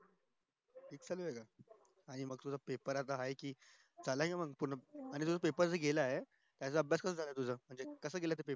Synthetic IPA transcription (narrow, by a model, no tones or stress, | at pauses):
ʈʰiːk̚d͡zaluʋeɡa | aɽ̃iməɡ̚t̪ud͡zʱapepəɾat̪aɦajkiː | d͡zʱalaɦiməɡpuɳəaɽ̃it̪ud͡zʱapepəɾd͡zəɡelaɦe | t̪jat͡səəbʱjaskəsəːd͡zʱaləet̪ud͡zʱəm̤əɳd͡zekəsəːɡelat̪epeə